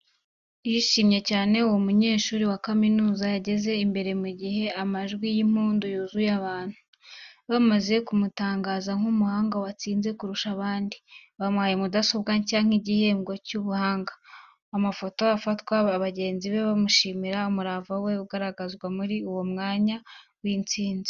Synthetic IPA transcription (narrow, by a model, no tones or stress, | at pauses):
jiʃiːmɲe̞caːne̞uwomuɲe̞ːʃuːɾiwakaminuːzajaɟe̞ze̞imbe̞ɾe̞muɟihe̞amaʒɡwijim̥uːndojoːzujaβaːn̥hu | βamaze̞kumutaːŋɡaːzaŋ̥humuhaːŋɡawat͡siːnze̞kuɾuʃaβaːndiβamwaːjemudaso̞βɡacaːŋ̥iɟihe̞ːŋɡo̞cuβuhaːŋɡaː | mafo̞to̞afatwaːβaɟe̞ːnziβe̞βamuʃiːmiɾaumuɾavawe̞uɡaɾaɡazɡwamuɾiuwo̞mŋaːɲa | wiːnt͡siːnzi